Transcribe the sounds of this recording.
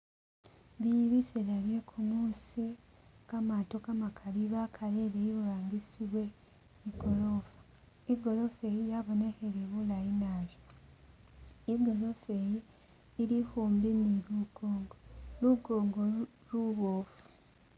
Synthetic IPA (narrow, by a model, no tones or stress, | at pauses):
βijiβiselaβjekʰumuːsikamato̞kamakʰaɾiβakʰaɾeɾejiβuɾaːŋɡisiβwe̞ | iɡolofḁ | iɡo̞lofejijaβoneheɾeβulajinaːʒo | iɡo̞lofejiː | ɾihuːmbiniɾuɡ̥oːŋɡoluɡoːŋɡo | luβoːfu̥